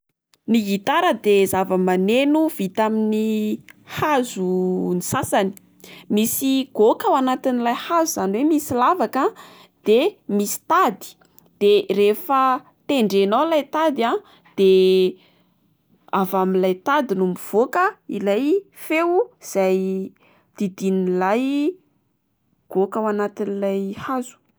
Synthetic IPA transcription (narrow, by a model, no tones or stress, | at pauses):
niɦit̪aɾəd̪ezavəmanenuv̥it̪aminihazunisasani̥ | misiɡ̥okawanat̪inilajhazuz̥anwemisilavaka | d̪̥emisi̥t̪ad̪i̥ | d̪̥erefə | t̪eɳɖ͡ʐenawlajt̪ad̪ia | d̪̥e | avamilajt̪ad̪inumiv̥okəḭlajfewuz̥aj | d̪̥id̪inilaj | ɡ̥okawanat̪inilajhazu̥